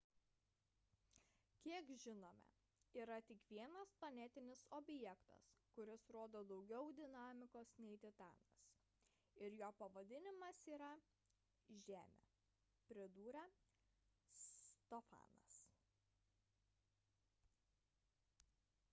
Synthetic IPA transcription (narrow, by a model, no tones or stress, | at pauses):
kʲiɛkʒʲɪnoːmʲɛ̰ | iːɾɐt̪ʲɪkʋʲiɛnɐsplˠɐnʲɛt̪ʲɪnʲɪsɔbʲjɛkt̪ɐ̰skʊɾʲɪsɾoːd̪oːd̪ɒʊɡʲɛʊd̪ʲɪnɑːmʲɪkoːsnʲɛɪt̪ʲɪt̪ɑ̰ːnɐ̰s | ɪɾjoːpɐʋɐd̪ʲɪnʲɪmɐsiːɾɐ | ʒʲæːmʲḛ | pʲɾʲɪd̪uːɾʲɛ | st̪ɔfɑ̰ːnɐ̰s